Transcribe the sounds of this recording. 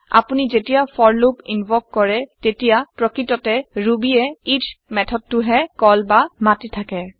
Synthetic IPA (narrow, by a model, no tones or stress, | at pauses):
a̰punizetijafʰɔɹlopinbɔk̚kɔɹɛtetijapɹɔkɹitɔtɛɹubiɛitʰmɛtʰɔd̚tʊɦɛkɔlbamatitʰakɛ